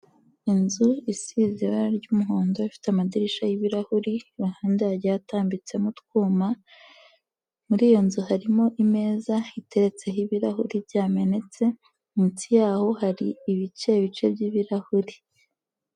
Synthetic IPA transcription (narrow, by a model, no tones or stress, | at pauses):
inzuisiziβaɾɟuːmuɦoːndo̞ifi̥tamadiɾiʃajiβiɾahuɾiβahaːndeaɟejataːmbit͡se̞mutkuːma | muɾiːjo̞nzuhaɾimo̞ʔime̞ːzaite̞ɾe̞t͡se̞ɦiβiɾahuɾibɟaːme̞ne̞t͡se̞ | mutijaːho̞haɾiːβit͡ʃe̞iβit͡ʃe̞bɟiːβiɾahuɾi